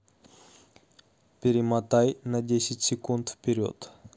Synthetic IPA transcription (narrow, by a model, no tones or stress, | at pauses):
pʲɪɾʲɪmat̪ajnɐdʲesʲɪtʲsʲɪkunt̪fpʲɪɾʲo̰t̪